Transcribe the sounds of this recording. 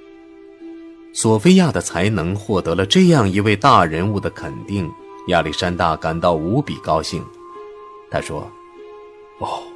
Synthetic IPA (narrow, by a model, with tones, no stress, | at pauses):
swɔ˨˩fe˥ɪja˥˩d̪ə˩t͡sʰa˧˥ɪnɤ˧˥ŋxwɔ˥˩t̪ɤ˧˥lə˧ʈ͡ʂɤ˥˧jɑ˥˩ŋi˧˥we˥˧ɪt̪a˥˩ɻə˧˥nu˥˩d̪ə˩kʰə˨˩nt̪i˥˩ŋ | ja˥˧˩li˥˩ʂa˥nt̪a˥˩ka˨˩nt̪ɑ˥˩ʊu˧˥pḭ˨˩kɑ˥ʊɕi˥˩ŋ | t̪ʰa̰˥ʂwɔ̰˥˩